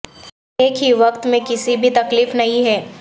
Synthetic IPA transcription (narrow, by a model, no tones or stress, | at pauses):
eːkʰɦiʋɐkt̪mẽkɪsibʱit̪ɐkliːfnɐɦĩɦɛː